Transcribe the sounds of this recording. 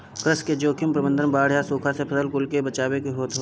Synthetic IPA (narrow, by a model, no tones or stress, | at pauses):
kɾəsked͡ʒoːkʰɪmpɾəbə̃nd̪ʱənbaːɽ̤jasuːkʰasepʰɐsəlkʊlkebət͡ʃaːwekiɦoːt̪ɦo